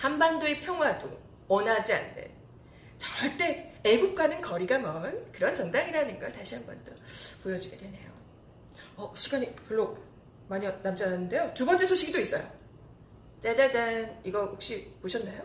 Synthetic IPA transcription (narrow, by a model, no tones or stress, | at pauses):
hambandoepʰjʌŋɦwado̰ | wʌnɦad͡ʑia̰nːɯ̰n | t͡ɕʌŋwaɭt͈e̞eɡup̚k͈anɯnkʌɾiɡamʌnkɯɾʌnt͡ɕʌŋdaŋiɾanɯnɡʌɭtaɕʰiɦambʌ̰nt͈ʌpojʌd͡ʑiɡe̞dwe̞ne̞jo | ʌɕʰiɡaɲipjʌɭːo | maɲiʌnamd͡ʑanːɯnde̞jotubʌnt͡ɕ͈e̞sʰoɕʰik̚id͈ois͈ʌ̰jo̰ | t͡ɕ͈ad͡ʑad͡ʑaniɡʌjok̚ɕ͈ipoɕʰʌnːajo